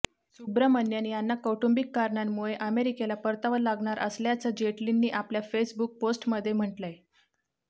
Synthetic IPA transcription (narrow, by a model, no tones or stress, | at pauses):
subɾəmənjanjanːakəwʈumbikːaɾɳanːuɭeʔəmeɾikelapəɾt̪aʋəlːaɡɳaɾʔə̰sljat͡səd͡ʑeʈlinːiːʔapljafesbuk̚posʈməd̪ʱːjem̤əɳʈlae